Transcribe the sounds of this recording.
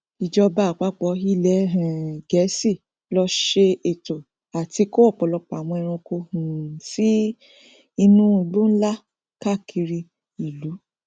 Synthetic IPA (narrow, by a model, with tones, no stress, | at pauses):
i˨d͡ʒɔ˧ba˦˨k͡pa˦k͡pɔ˧ɦi˦˨lɛ˨˦ɦɛ̃˨ɡɛ˨˦si˦˨ | lɔ˧ʃe˧e˨to˨ | a˨ti˧ko˦ɔ˦˨k͡pɔ˨lɔ˧pa˨w̃ɔ̃˧ɛ˧ɾ̃ũ˧ko˧hũ˨si˦ | i˧nũ˦i˨lu˦n̩˦la˦ | ka˦˨kʰi˧ɾi˧ | i˨lu˨˦